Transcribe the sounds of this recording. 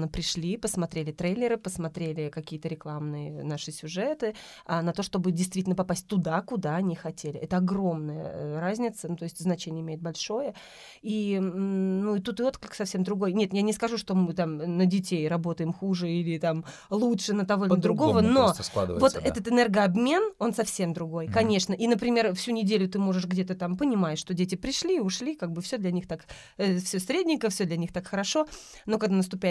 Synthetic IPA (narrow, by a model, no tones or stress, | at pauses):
əpɾʲɪʂlʲipəsmɐt̪ɾʲelʲɪt̪ɾejlʲːɪɾɨpəsmɐt̪ɾʲelʲɪkɐkʲijət̪əɾʲɪklˠamnɨjənaʂɨsʲʊʐɛt̪ɨ | anɐt̪o̞ʂt̪o̞bɨdʲɪjst̪vʲitʲlʲnəpɐpasʲt̚ʲt̪ʊd̪akʊd̪aɐnʲixɐtʲelʲɪʔɛt̪əɐɡro̞mnəjə̰ɾazʲnʲɪt̪sənut̪o̞jɪsʲtʲznɐt͡ɕenʲɪəɪmʲeɪt̪̚bɐlʲʂo̞jə | i | nuɪt̪ut̪ɨo̞t̪klʲɪksɐfsʲemd̪ɾʊɡo̞jnʲe̞t̪janʲɪskɐʐuʂt̪o̞mɨt̪amnədʲɪtʲejrɐbo̞t̪əjɪmxuʐɨilʲɪt̪am | lˠutʂɨnət̪ɐvo̞ɪləd̪ɾʊɡo̞vənosˠa̰vo̞tt̪ɛt̪ət̪ɨnɛrɡəɐbmʲeno̞nsɐfsʲe̞md̪ɾʊɡo̞jkɐnʲe̞ʂnəʔinəpɾʲɪmʲerfsʲunʲɪdʲelʲʊt̪ɨmo̞ʐɨʂɡdʲe̞t̪ət̪ampənʲɪmajɪʂːt̪o̞dʲetʲɪpɾʲɪʂlʲiʊʂlʲikaɡ̚bɨfsʲod̪lʲɐnʲixt̪ak | fsʲosʲɾʲedʲnʲɪkəfsʲod̪lʲɐnʲixt̪akxəɾɐʂo̞ | no̞kɐɡd̪anəst̪ʊpʲajɪ